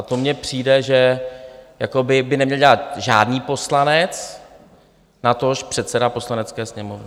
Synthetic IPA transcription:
ʔat̪omɲɛpr̝̥iːdɛʒɛ | jakobɪbɪnɛmɲɛlɟɛlat̪ʒaːdniːpo̞slanɛt͡s | nat̪oʃpr̥ɛt̪sɛdapo̞slanɛt͡skɛːsɲɛmovnɪ

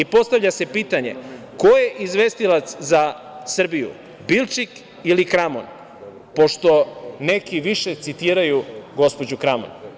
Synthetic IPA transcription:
ipo̞st̪aʋʎase̞piːt̪aɲe̞̰ko̞je̞ʔizʋe̞ːst̪ilat̪szasr̩bijṵ | bilˠt͡ʃik | ilikɾamo̰n | po̞ʃt̪o̞ne̞kiʋiʃe̞t̪sit̪iːɾajuɡo̞spo̞d͡ʑukɾamo̰n

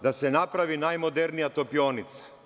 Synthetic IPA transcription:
d̪asenapɾaʋinajmod̪eɾnijat̪opioːnit̪sḁ

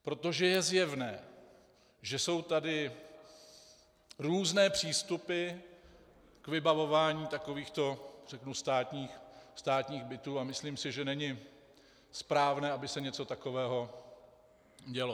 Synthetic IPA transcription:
pɾo̞t̪o̞ʒɛjɛzjɛvnɛː | ʒɛso̞wt̪adɪ | ɾuːznɛːpr̝̥iːst̪upɪ | kvɪbavo̞vaːɲiːt̪ako̞viːxt̪o̞r̥ɛknust̪aːt̪ɲiːxst̪aːt̪ɲiːɣbɪt̪uːamɪsliːmsɪʒɛnɛɲɪ | spɾaːvnɛːʔabɪsɛɲɛt͡so̞t̪ako̞vɛːɦo̞ | ɟɛlo

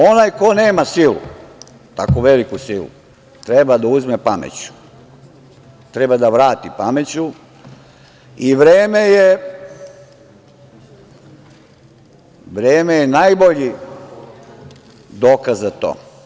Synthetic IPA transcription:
onajkoneːmasilṵ | t̪akoʋe̞likusilṵ | t̪ɾebad̪auzmepamḛt͡ɕu̥ | t̪ɾe̞bad̪aʋɾaːt̪ipamet͡ɕu | iʋɾeːme̞je | ʋɾeːme̞jenajboʎi | d̪oːkazzat̪o̰ː

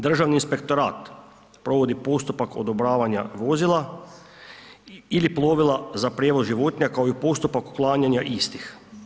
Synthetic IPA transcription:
d̪r̩ʒaʋniːnspe̞kt̪o̞ɾa̰ːt̪ | pɾo̞ʋo̞d̪ipo̞st̪upakʰo̰d̪obɾaːʋaɲa̰ʋo̞zilˠa | iliplˠo̞ʋilˠazapɾʲjeʋo̞zʒiʋo̞t̪ɲakaoipo̞st̪upaku̥klˠaːɲaɲaʔist̪ix

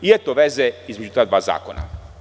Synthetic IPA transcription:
ijet̪oʋezeizmed͡ʒut̪aːd̪ʋaːza̰ːkona̰

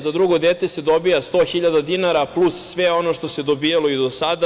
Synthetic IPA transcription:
zad̪ɾuɡo̞d̪et̪esed̪o̞bijast̪oxiʎad̪ad̪inaɾaplˠussʋeo̞no̞ʃt̪o̞sed̪o̞biːjaloid̪osad̪a

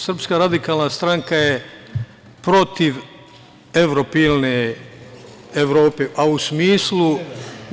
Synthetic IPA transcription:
sr̩pskaɾad̪ikaːlnast̪ɾaŋkaje | pɾo̞t̪iʋ | e̞ʋɾopiːlne | eʋɾo̞ːpeʔausmiːslu

